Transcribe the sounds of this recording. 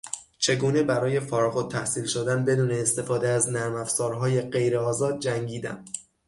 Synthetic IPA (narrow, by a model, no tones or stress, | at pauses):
t͡ʃʰe̞ɡuːne̞bæɾɒːje̞fɒːɾɒɣot̪ʰːæhsiːlʃod̪ænbe̞d̪uːneːst̪e̞fɒːd̪eæznæɾmæfz̥ɒːɾɦɒːje̞ɢe̞jɾeɒːzɒːd̪̚d͡ʒæŋɟiːd̪æ̰m